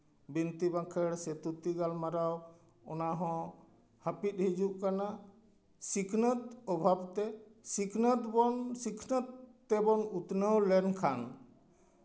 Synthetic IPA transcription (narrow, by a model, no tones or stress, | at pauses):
bint̪ibãkʰɛɽsɛt̪ut̪iɡalmaɾaw | ɔnaɦɔ̃ | hapit̪̚ɦid͡ʒuʔkana | sikʰnət̪ɔbʱabt̪ɛsikʰnət̪bɔnsikʰnət̪ːɛbɔnut̪nəwlɛnkʰan